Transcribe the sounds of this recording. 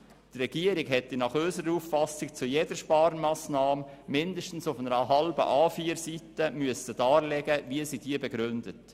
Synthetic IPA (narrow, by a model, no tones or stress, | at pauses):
trɛɡ̥iəɾɪɡɦɛtːɛnɑχøːsəɾəɾuːffɑsɪkt͡sujeːdəɾʃpɑːɾənmɑːsnɑːmmɪndəʃtn̩sʊfnəɾəɦɑlbə̰ʔɑːfiːɾsitəmyəsəd̥ɑːɾlɛɡəvisiːd̥iːbɛɡɾʏndət